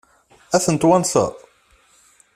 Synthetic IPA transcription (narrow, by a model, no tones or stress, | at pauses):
æθənt̪wænθə̰